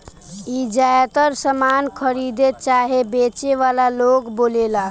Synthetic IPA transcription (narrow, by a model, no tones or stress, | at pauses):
id͡ʒajat̪əɾsəmankʰəɾid̪et̪̚t͡ʃaɦebet͡ʃeʋalalokbolela